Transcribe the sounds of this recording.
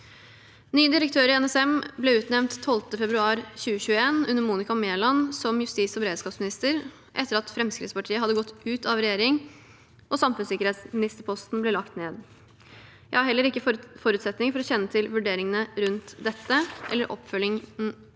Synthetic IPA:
nyːəd̪ɪɾək̚t̪ʰøːɾɪɛnɛsɛmblɛʉːt̪nɛʋnt̪ʰːɔlt̪əfɛbɾʉɑːɾɕʉːəɕʉːəeːnʉnːəɾmuːnɪkɑmeːlɑnsɔmjʉst̪iːsɔbəɾeːd̪skɑːpsmɪnɪst̪əɾ | ʔɛ̰t̪ːəɾɑt̪fɾɛmskɾɪ̰t̪spɑʈʰiːəɑd̪ːəɡɔt̪ːʉːt̪ɑʋɾɛjeːɾɪŋ | ʔɔsɑmfʉnsɪkəɾeːt̪smɪnɪst̪əɾpʰɔst̪n̩blɛlɑkt̪neːd̪ | jæɪhɑɾhɛlːəɾɪkːəfɔɾʉːt̪sɛt̪nɪŋfɔɾɔɕɛnːət̪ʰɪlʋʉɖeːɾɪŋənəɾʉnt̪d̪ɛt̪ːəʔɛ̰lːəɾʔɔ̰pːfœlːɪŋ

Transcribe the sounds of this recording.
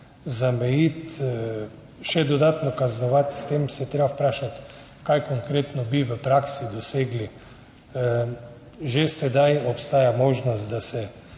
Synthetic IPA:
zamɛjit̪ | ʃɛd̪ɔd̪at̪nɔkaznɔʋat̪st̪emsɛt̪ɾeːbapɾaːʃat̪ | kajkoŋkɾeːt̪nɔbiʋəpɾaksid̪ɔseːɡli | ʒesɛd̪ajɔpst̪aːjamoːʒnɔst̪d̪asɛ

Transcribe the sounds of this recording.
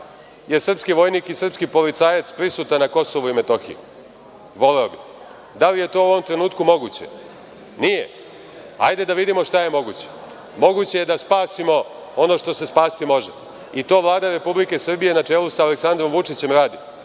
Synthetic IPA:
jeɾsr̩pskiʋo̞jniːkisr̩pskipo̞lit̪saːjat̪spɾisuːt̪anako̞soʋoime̞t̪o̞xḭjṵ | ʋo̞leobi | d̪alije̞t̪o̞ːoʋomt̪ɾe̞nuːt̪kumo̞ɡut͡ɕḛ | nijḛ | ajd̪e̞d̪aʋid̪imo̞ʂt̪aje̞mo̞ɡut͡ɕe̥ | mo̞ɡut͡ɕe̞jed̪aspaːsimo̞ | o̞no̞ʃt̪o̞se̞spaːsi̥t̪imo̞ʒe | it̪o̞ːʋlˠaːd̪aɾe̞publikesrbije̞nat͡ʂeːlusaːleksand̪ɾo̞mʋut͡ʂit͡ɕe̞mɾaːd̪i

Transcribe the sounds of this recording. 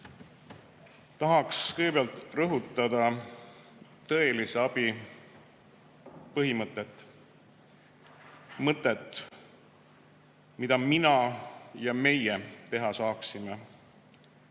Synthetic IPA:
t̪ɑɦɑkskɯjɡbeɑlt̪rɤɦut̪ːˑɑd̪ɑ | t̪ɤ̞e̞liseɑb̥i | pɤɦimɤt̪ːˑet̪ːˑ | mɤt̪ːˑet̪ | mid̪ɑminɑjɑme̞jet̪e̞ɦɑsɑːksime

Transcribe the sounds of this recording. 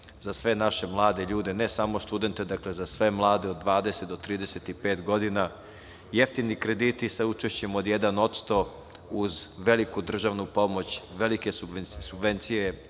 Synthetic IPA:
zasʋe̞naʃe̞mlˠaːd̪eʎuːd̪e̞ne̞samo̞st̪ud̪e̞nt̪e̞d̪akle̞zasʋe̞mlˠaːd̪eod̪̚ːʋaːd̪e̞set̪d̪ot̪ːɾiːd̪eset̪ipe̞ːt̪ɡo̞d̪ina | jeft̪inikɾe̞d̪iːt̪isaut͡ʃeʃt͡ɕe̞mo̞d̪jed̪ano̞t̪st̪o̞ | uzʋe̞likud̪r̩ʒaʋnupo̞mo̞t͡ɕʋelikesusubʋe̞nt̪sije

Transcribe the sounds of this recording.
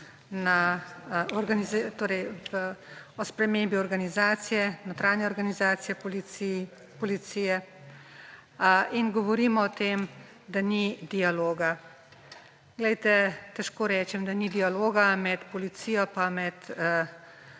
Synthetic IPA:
na | ɔɾɡanizt̪oːɾɛj | ɔspɾɛmeːmbiɔɾɡanizaːt̪sijɛnot̪ɾaːnjɛɔɾɡanizaːsijɛ | pɔlit̪sijɛ | inɡɔʋɔɾiːmɔːt̪eːm | d̪anid̪ijaloːɡa | ɡlɛjt̪ɛt̪ɛʃkoːɾɛːt͡ʃɛmd̪anid̪ijaloːɡamɛt̪pɔlit̪sijɔpamɛt̪

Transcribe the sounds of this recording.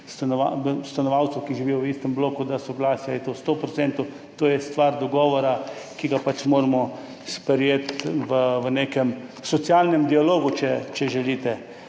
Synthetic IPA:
st̪anɔʋa̰st̪anɔʋawt̪səwkiʒiʋiːjɔʋiːst̪ɛmbloːkud̪asɔɡlaːsjajɛt̪ost̪opɾɔt̪sɛnt̪u | t̪oːjɛst̪ʋaɾd̪ɔɡɔːʋɔɾakiɡapat͡ʃmoːɾmɔ | spɛɾjet̪ʋəʋənekɛmsɔt̪sjalnɛmd̪ialoːɡut͡ʃɛt͡ʃɛʒɛliːt̪ɛ

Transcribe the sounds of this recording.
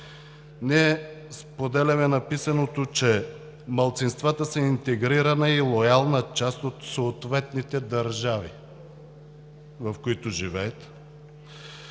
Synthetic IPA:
nɛspod̪ɛlʲɐmɛnɐpisɐnot̪ot͡ʃɛ | mɐlˠt̪sinst̪vat̪əsɛint̪ɛɡɾiɾɐnɐilˠojalˠnət͡ʃast̪ot̪soːt̪vɛt̪nit̪ɛd̪ɐɾʒavi | vɐfkoit̪ʊʒivɛːt̪

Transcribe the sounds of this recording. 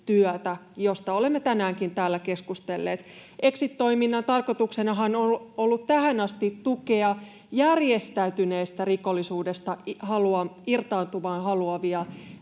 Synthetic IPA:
t̪yœt̪æjost̪ɑolemːet̪ænæːŋkint̪æːlːæke̞skust̪elːeːt̪eksit̪ːo̞iminːɑnt̪ɑrkot̪uksenɑɦɑnololːut̪t̪æhænɑst̪it̪tukeɑ | jærjest̪æyt̪yneːst̪æriko̞lːisuːdest̪ɑhɑluɑirt̪ɑːnt̪uʋɑːnhɑluɑʋiɑ

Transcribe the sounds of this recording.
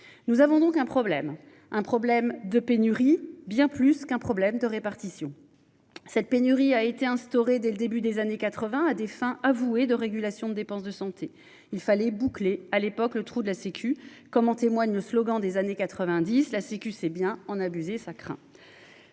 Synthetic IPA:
nuzavɔ̃d̪ɔ̃kɛ̃pχɔblɛm | ɛ̃pχɔblɛmd̪əpenyʁibjɛ̃plyskɛ̃pχɔblɛmd̪əʁepaʁt̪isjɔ̃ | sɛt̪̚penyʁiaet̪eɛ̃st̪ɔʁed̪ɛləd̪ebyd̪ezanekat̪χəvɛ̃ad̪efɛ̃ʔavued̪əʁeɡʲylasjɔ̃d̪əd̪epɑ̃sd̪əsɑ̃t̪ʰe | ilfalɛbuklealepɔklət̪χud̪əlasekʰʲy | kɔmɑ̃t̪emwaɲləslɔɡɑ̃d̪ezanekat̪χəvɛ̃d̪islasekʲysɛbjɛ̃ɑ̃nabyzesakχɛ̰̃

